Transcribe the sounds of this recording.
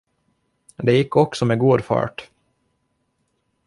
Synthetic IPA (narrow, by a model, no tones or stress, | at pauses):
d̪ɛjɪkʰːɔksɔmɛɡuːd̪fɑ̰ːʈ